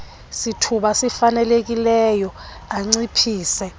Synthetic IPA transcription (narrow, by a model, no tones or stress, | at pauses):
sitʰuɓasifanɛlek̬ilɛjɔ | aŋ͡ǀipʰiːsɛ